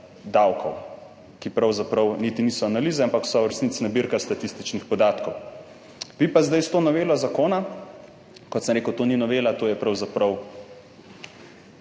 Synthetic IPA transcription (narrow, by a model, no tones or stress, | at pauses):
d̪awkʰɔ̰w | kipɾawzapɾɐwnit̪iniːsɔanaliːzɛampaksɔɾɛsnit̪t͡ssnabiɾkast̪at̪ist̪it͡ʃnixpɔd̪aːt̪kɔw | ʋipazd̪ajst̪oːnɔʋeːlɔzakoːna | kɔt̪səmɾeːkəwt̪oːninɔʋeːlat̪oːjɛpɾɐwzapɾɐw